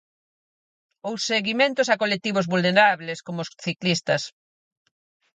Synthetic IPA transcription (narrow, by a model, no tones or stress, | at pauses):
owsːeɣimẽnt̪ʊsakolet̪iβozβulneɾaβleskomʊsθiklist̪ɐs